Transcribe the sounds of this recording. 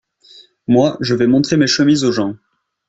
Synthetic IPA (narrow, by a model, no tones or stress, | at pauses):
mwaʒəvɛmɔ̃t̪χemeʃəmizoʒɑ̃